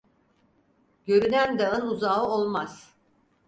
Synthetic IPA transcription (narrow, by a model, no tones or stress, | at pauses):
ɟ̥øɾynænd̪aɯnuzaɯolˠmaz̥